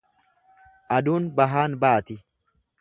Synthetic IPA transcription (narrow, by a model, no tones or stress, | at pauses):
ʔɐd̪uːnbɐɦaːnbaːt̪ɪ